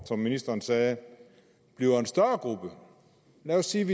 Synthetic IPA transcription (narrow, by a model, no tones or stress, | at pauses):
sɒ̽mːinisd̥ɐːnsɛː | b̥liʊɐe̝nsd̥ɶɐɡ̥ʁub̥ə | læosːiːʋi